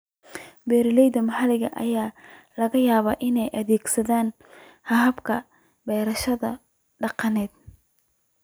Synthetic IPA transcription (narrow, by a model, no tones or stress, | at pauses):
bɛːɾɪlɛjðɐmɐħɐlɪɣɐʔɐjaː | lɐɣɐjaːβaːʔɪnɛjʔɐðɛːɡsɐðaːn | hɐɦɐbkʰɐ | bɛːɾɐʃɐðɐ | ɖɑqɑnɛːd̪